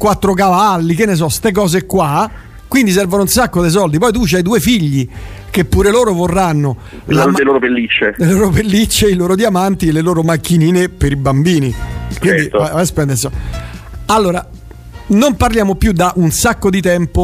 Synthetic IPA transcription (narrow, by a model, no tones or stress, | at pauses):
kwat̪ːɾok̬avalːik̟enːes̬ɔst̪ek̬ɔːzekwa | kwind̪is̬ɛrvonounsakːod̪es̬ɔld̪ipɔjt̪ut͡ʃajd̪uːefiʎːi | k̟epːuːɾeloːɾovorːanːo | lameloːɾopelːit͡ʃːed̪elloːɾopelːit͡ʃːeiloːɾod̪jamant̪ielːeloːɾomakːiniːnepeɾibambiːnikwind̪it̪vavaspɛnd̪esɔ | alːoːɾa | nomparljaːmopjud̪aʔunsakːod̪it̪ɛmpo